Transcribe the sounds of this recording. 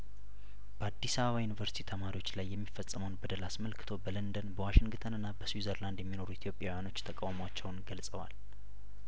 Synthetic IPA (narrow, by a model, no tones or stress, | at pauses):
b̥əad̪ːisaβəβajunivəɾsi̥t̪ʰit̪ʰəmaɾiwot͡ʃːlajːɛmːifːəsʼːəməwnbəd̪əlasməlkʰɨ̥t̪ʰo̞bələnd̪ənbəwaʃɪŋɡɨt̪ʰənɨnːabəswizəɾland̪jɛmːino̞ɾuit̪ʰijo̞pʼjawjano̞t͡ʃːt̪ʰəkʼawməwat͡ʃːɛwnɡəlsʼəwa̰l